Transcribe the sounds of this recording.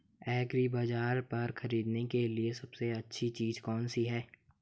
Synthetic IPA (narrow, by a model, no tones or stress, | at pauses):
ɛːɡɾibaːd͡ʒaːɾpɐɾxɐɾiːd̪nekeliesɐbseɐtːʃʰit͡ʃiːzkɔːnsiɦɛː